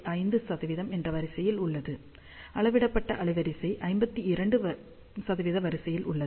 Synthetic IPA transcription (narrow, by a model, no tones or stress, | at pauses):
ʔɐɪnd̪ɯsɐðɐʋɪðɐmɛndrɐʋɐɾɪsɐjɪlʊɭːɐðɯ | ɐɭɐʋɪɽɐpːɐʈːɐʔɐɭɐɪʋɐɾɪsɐɪʔɐɪmbɐt̪ːiɪɾɐɳɖɯ | sɐðɐʋɪðɐʋɐɾɪsɐjɪlʔʊɭːɐ